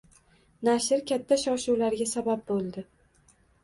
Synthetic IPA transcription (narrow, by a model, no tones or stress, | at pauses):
naʃɪɾkʲʰat̪ʰːaʃɒʃuwlaɾɡʲasabap̚bolˠd̪ɪ